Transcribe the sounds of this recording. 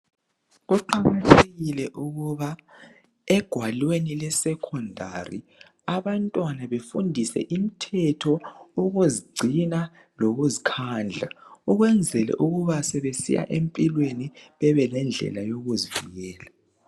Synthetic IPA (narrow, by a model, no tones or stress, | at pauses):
ɣuǃaɣatʰeɣilɛʔuɣuβa | ɛɡ̥ʱwalwenilɛsɛkʰɔndʱa̰rḭ | aβantʼwanaβefundʱisɛ̰ʔim̩tʰɛtʰɔoɣuziɡ͡ǀʱina | loɣuzikʰaːnd͡ɮʱauɣwɛnd͡zʱɛlɛ̰ʔuɣuβasɛβesḭja̰ʔempʼilweniβɛβɛlɛnd͡ɮʱɛ̰lajoɣuziviɣɛːla